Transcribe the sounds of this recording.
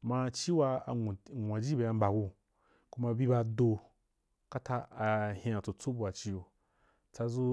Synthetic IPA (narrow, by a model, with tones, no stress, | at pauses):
mã˧t͡ʃi˦wa˧˨ŋʷ˨ã˨d͡ʒi˦be˨a˧m̩˦ba˨ɡu˧ | ku˦ma˧˨bi˦ba˧do˧ | ka˦ta˧a˨hĩ˧˦a˨t͡so˨t͡so˦bu˧a˨t͡ʃi˦jo˨ | t͡sa˧zu˦